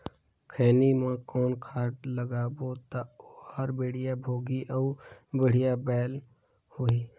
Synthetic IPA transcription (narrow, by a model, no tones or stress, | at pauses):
kʰeːnimãkɔːnkʰaːʈləɡaːbot̪aohaɾbeːɽ̤ijabʱoːɡiʔɔːbeɽ̤ijabɛːl | hoiː